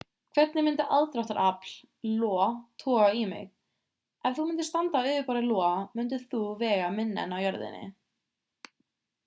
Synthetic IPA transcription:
kʰvɛt̪nɪmʏnt̪ɪʔaðt̪ɾaw̥ht̪aɾʔapl̥ | lɔːt̪ʰɔːaimɪ̰ɣ | ɛvθumʏnt̪ɪst̪ant̪aʏːvɪpaːɾɪlɔːamʏnt̪̬ɪθuvɛːɣamɪnːɪ̰nawjœɾðɪ̰nːɪ̰

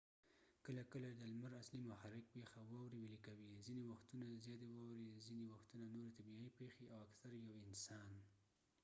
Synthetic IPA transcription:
kəlakəlad̪əlmaɾaslimʊxaɾɪk̚pexawɑwɾiwelikawizinewaxt̪unazjɑt̪ewɑwɾezinewaxt̪unanoɾet̪abiipexeawaksaɾjawɪnsɑn

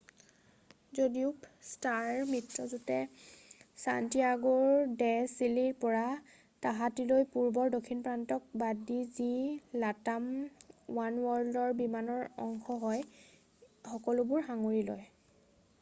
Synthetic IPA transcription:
zodiʊpstaɹmitɹɔzotɛ | santijaɡɔɹdɛsiliɹpɔɹa | taɦatilojpuɹbɔɹdokʰːinpɹantɔk̚badizilatamwanwɔɹldɔɹbimanɔɹɔ̰ŋxɔɦɔj | xɔkɔlʊbʊɹxaŋoɹilɔ̰j

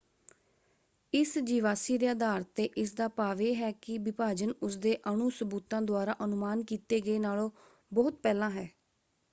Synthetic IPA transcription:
ɪsd͡ʒiːʋaːsiːɾɪjaːd̪aːɾt̪ːeːʔɪsd̪aːpaːʋeːɦɛːkɪbɪpaːd͡ʒənʊs̬d̪eːʔəɳuːsəbuːt̪ãːd̪ʊaːɾaːʔənʊmaːnkiːt̪eːɡəeːnaːlõː | bɔːʊt̪̚pɛːlãːɦɛː

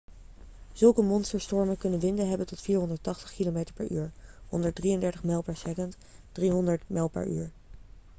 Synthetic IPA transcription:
z̥ɵlˠkəmɔnstəɹstɔɹmənkɵnənʋɪndəɦɛbəntɔtfiːɹɦɔndəɹtɑχtə̥χkilomejtəɹpɛɹy̰ːɹɦɔ̰ndəɹdrijəndɛɹtəχmɛlˠpɛɹsɛkənt | d̥riɦɔndəɹtmɛlˠpɛ̰ɹy̰ːɹ

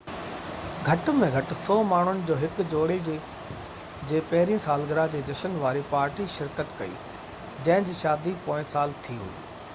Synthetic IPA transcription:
ɡʱɐʈmẽɡʱɐʈʊ̆sɔːmaːɳ̤ʊnɪ̆d͡ʑoːɦɪkd͡ʑoːɽed͡ʑ | d͡ʑeːpɐɦɪɾijə̃saːlɡɪɾad͡ʑeːd͡ʑɐʃənʋaːɾipaːɾʈiʃɪɾkət̪kɐḭː | d͡ʑɐ̃ɦɪ̃d͡ʑiːʃaːd̪ipoːɪ̃saːlt̪ʰiɦṵḭː

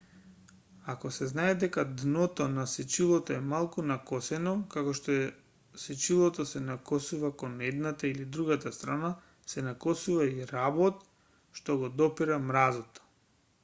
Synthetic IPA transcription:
akɔsɛznaɛd̪ɛkad̪nɔt̪ɔnasɛt͡ʃilˠɔt̪oɛmalˠkunakɔsɛnɔkakɔʃt̪ɔ | sɛt͡ʃilˠɔt̪ɔsɛnakɔsuvakonɛd̪nat̪ailid̪ɾuɡat̪ast̪ɾana | sɛnakɔsuvaiɾabɔt̪ | ʃt̪ɔɡɔd̪ɔpiɾamɾazɔt̪ɔ̥

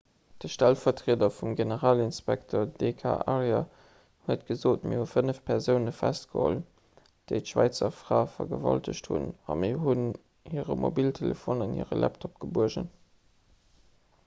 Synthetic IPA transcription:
d̥əʃtælfɐtʁeədɐfumɡenəʁaːlinspæktʰoːɐdekʰa̰ʔɑʁjɑ | huət̚ɡ̥əzoːtmiɐhufənəfpʰɛʁzəʊnəfæst̚ɡ̥əho̰l | d̥eɪtʃwæɪt͡sɐfʁaːfɐɡəvɑltəɕthṵnɑmiɐɦun | hiəʁəmobiltʰelefonɑnhḭəʁə̰lʔæ̰ptʰop̚ɡ̥əbuəʒə̰n

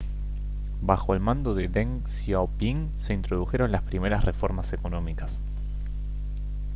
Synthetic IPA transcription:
baxo̞elmãnd̪oðeðeŋ | sjawpiŋ | se̞int̪ɾo̞ð̞uxe̞ɾo̞nlaspɾime̞ɾasrefo̞ɾmase̞konõ̞mikas

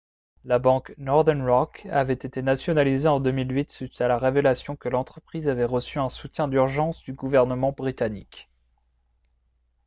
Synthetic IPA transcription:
labɑ̃knɔʁd̪ɛnʁɔkavɛt̪et̪enasjɔnalizeɑ̃d̪ømilɥit̪sɥit̪alaʁevelasjɔ̃kəlɑ̃t̪χəpχizavɛʁəsyɛ̃sut̪jɛ̃d̪yʁʒɑ̃sd̪yɡuvɛʁnəmɑ̃bʁit̪anḭk

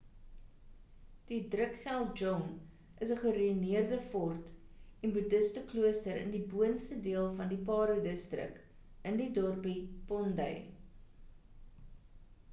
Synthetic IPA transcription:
d̥idrəkχælˠt̚d͡ʒɔŋ | ʔəsəχəɾiiniərdəfɔrtenbudəstəkluəstəɾə̰ndibuənstədiəlˠfɐndipɑːɾudəstrə̰k | əndidɔrpipɔndə̰j

